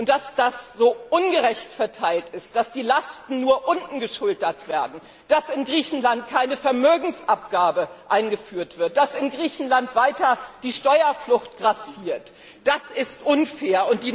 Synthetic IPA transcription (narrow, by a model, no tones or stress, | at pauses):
ʔʊntd̥asd̥asz̥oːʔʊnɡəʁɛçtfɛɐtʰaɪltɪst̚d̥asd̥iːlastn̩nuːɐʔʊntn̩ɡəʃʊldɐtv̥eːɐdn̩ | d̥asɪnɡʁiːçn̩lant̚kʰaɪnəfɛɐmøːɡŋ̩sʔap̚ɡ̥aːbəʔaɪnɡəfyːɐtv̥ɪɐt̚d̥asɪnɡʁiːçn̩lantv̥aɪtɐd̥iːʃtɔʏɐflʊxt̚ɡ̥ʁasiːɐt | d̥asɪstʔʊnfeːɐʊnt̚d̥iː